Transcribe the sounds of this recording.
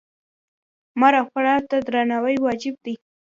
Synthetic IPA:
maɾaxaɽat̪ad̪ɾanawəjwɑd͡ʒɪb̚d̪i

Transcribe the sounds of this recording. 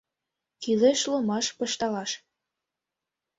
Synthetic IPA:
kileʃlomɑʃpɤ̆ʃt̪ɑlɑʃ

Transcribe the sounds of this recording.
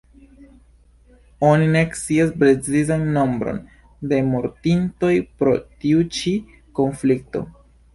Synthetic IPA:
onine̞kt͡siasbɾezizanːombɾo̞̰n | de̞moɾtinto̞jpɾo̞̰tiut͡ʃi | ko̞nflik̚to̞̰

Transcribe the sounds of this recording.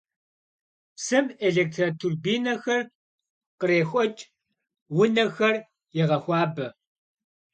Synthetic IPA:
sɨmeɮeːk̚tʰratʰurbiːnɐxɐr | qəɾeːxʷʼɔt͡ʃʼ | wʊnɐxɐr | jɛʁɐxʷɑːbɐ

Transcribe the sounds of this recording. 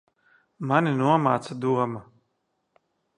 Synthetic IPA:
manʲinuɔmaːt̪sad̪uɔmɐ

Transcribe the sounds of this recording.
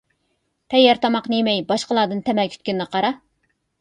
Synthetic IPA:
p̪ʰɛjːɛɾt̪ʰɑmɑqnɨjemɛjbɑʃqəlˠɑːd̪ɨnt̪ʰɛmɛlkʲʰy̥t̪̚ʲkʲynnəqʰɑɾɑ

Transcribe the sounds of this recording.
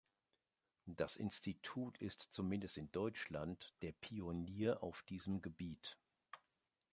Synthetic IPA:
d̥asʔɪ̰nstitʰuːtʰɪstt͡sumɪndəstɪndɔʏt͡ʃlantd̥eːɐpʰiʊniːɐʔa̰ʊfd̥iːzəmɡəbiːt

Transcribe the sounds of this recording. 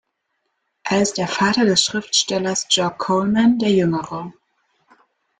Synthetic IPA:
ʔeːɐɪst̚d̥eːɐfaːtɐdɛsʃʁ̥ɪftʃtɛlɐsd͡ʒ̥ɔkʰːolmandeːɐjʏŋəʁə

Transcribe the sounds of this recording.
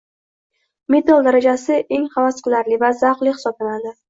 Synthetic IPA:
met̪alˠd̪aɾad͡ʒasɪʔe̞ŋχavasqɨlaɾlɪvazaqlɪhsɒblanad̪ɪ

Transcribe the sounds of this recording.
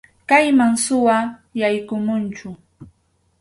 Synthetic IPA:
kajmaŋsʊwajajkʊmʊnt͡ʃʊ

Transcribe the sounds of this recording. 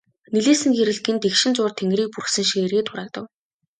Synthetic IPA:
neɮeːsɘ̆ŋxeɾɘ̆ɮt̪ɘ̆nt̪ekʃɪ̆nt͡sʊːrt̪ʰeŋɡriːk̚purxsɘ̆ŋʃiŋerɣeːt̪ʰʊɾaːk̚t̪ə̆w

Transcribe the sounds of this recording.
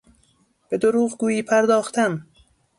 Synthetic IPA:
b̥e̞d̪oɾuːʁɡuːjiːpʰæɾd̪ɒːxt̪ʰæm

